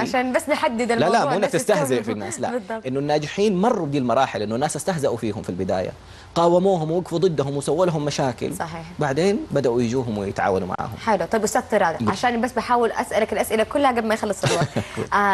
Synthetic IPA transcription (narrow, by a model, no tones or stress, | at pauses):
ʕaʃaːnbasːnɪħad̪ːɪd̪allalaʔʔɪnːakt̪ɪst̪ahzɪʔfinːa̰ːsla̰ʔb̪ˤːʔɪnːʊnːaːd͡ʒɪħiːnmɑrˤːubd̪iːlmɑɾˤɑːħɪlʔɪnːʊnːaːsʔast̪ahzaʔufiːɦʊmfilbɪd̪a̰ːja̰ | qɑːwamuːhʊmwɪɡfud̪ˤɨd̪ːaɦʊmwɪsawːalɦʊmːaʃaːkɪ̰lsˤɑħiːħbaʕd̪eːnbad̪aʔujɪd͡ʒuːɦʊmwɪjɪt̪ʕa̰ːwanuma̰ʕa̰ːhʊ̰mħelt̪ˤɑjbʔʊst̪aːd̪t̪ɪɾˤɑːd̪abʕaʃaːnbasːbɪħaːwɪlʔa̰sʔalakalʔasʔɪlakʊlːhaɡabmajxalːɨsˤalwɑːṵ